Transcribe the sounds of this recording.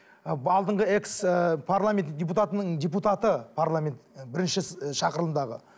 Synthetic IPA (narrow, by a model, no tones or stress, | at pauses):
ɑlˠd̪əɴʁəe̞kspʰaɾlˠamʲe̞ndʲep̬ut̪at̪ənəɴdʲep̬ut̪at̪əpʰaɾlˠamʲe̞nt̪bɪɾɪnʃɪʃɑqəɾələnd̪ɑʁə̰